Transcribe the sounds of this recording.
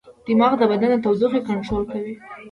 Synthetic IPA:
d̪̥imɑɣd̪əbad̪anət̪awzuxekaɳʈɾolkawi

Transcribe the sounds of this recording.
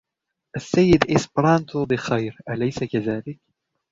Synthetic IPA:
ʔasːajːɪd̪ʔɪspɾɑːnt̪ʊbɪxajɾʔalajsakazaːlɪk̚

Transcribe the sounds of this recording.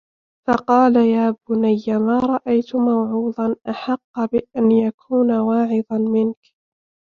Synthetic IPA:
fɑqɑːlajaːbʊnajːamaːɾˤɑʔajt̪ʊmawʕuːd̪ˤɑnʔaħɑqːbɪʔanjakʰuːnawɑːʕɪd̪ˤɑnmɪnk

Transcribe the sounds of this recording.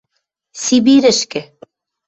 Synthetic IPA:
sibiɾɘ̆ʃkɘ̆

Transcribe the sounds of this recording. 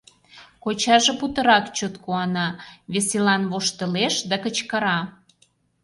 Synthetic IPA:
kot͡ɕɑʒeput̪ə̆ɾɑkt͡ɕot̪kuɑnɑβeselɑnβoʃt̪ə̆leʃd̪ɑkə̆t͡ɕkəɾɑ

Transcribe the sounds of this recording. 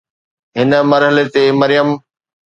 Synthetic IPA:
ɦɪnə̆mɐɾɦəlet̪emɐɾɪjəm

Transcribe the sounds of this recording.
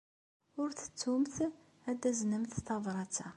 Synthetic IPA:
ʊɾθə̥t͡sːumθ | æd̪æznəmθθɑðˤɾˤɑt͡sːæ

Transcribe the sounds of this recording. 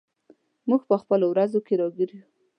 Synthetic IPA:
muɡ̚pəxpəlowɾazokeɾɑɡiɾju

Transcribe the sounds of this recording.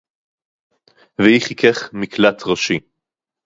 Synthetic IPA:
vehiχikʰeχmiklat̪ʰʁaʃi

